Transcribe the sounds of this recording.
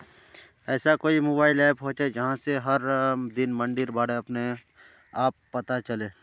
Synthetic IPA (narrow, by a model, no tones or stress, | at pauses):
ɛːsakoːimoːbaːɪlaːɪpɦɔ̃ːt͡ʃed͡ʒɐɦãseɦɐɾd̪ɪnmɐ̃ɳɖɪɾbaːɽeɐpne | aːpːɐt̪at͡ʃɐleː